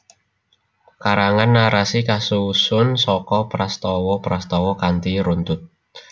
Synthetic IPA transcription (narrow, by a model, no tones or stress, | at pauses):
kaɾaŋanːaɾasikasusʊnsɔkɔpɾast̪ɔwɔpɾast̪ɔwɔkant̪iɾunt̪ʊt̪̚